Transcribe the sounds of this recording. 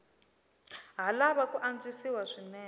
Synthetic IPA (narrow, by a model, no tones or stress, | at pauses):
ɦalaβakuʔand͡zisiwaʂinɛː